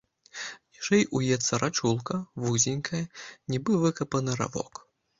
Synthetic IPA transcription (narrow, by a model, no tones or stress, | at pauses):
niʂɛjʔujɛt̪sɐɾat͡ʂulˠkɐvuzʲɪnʲkʰɐjɐnʲibɨvɨkɐpɐnɨɾa̰vɔ̰k